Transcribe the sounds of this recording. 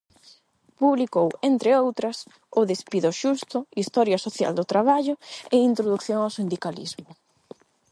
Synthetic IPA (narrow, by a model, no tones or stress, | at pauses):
puβlikowent̪ɾɪowt̪ɾɐs | ʊðespiðʊʃust̪ʊist̪ɔɾjɐsoθja̰ld̪ʊt̪ɾaβ̞aʎʊeint̪ɾoðukθjoŋawsind̪ikalḭzmʊ